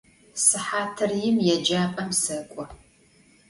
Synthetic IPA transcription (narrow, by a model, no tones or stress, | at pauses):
sɨħaːtʰɨrjɪmjɛd͡ʒaːpʼɐmsɨkʷʼɔ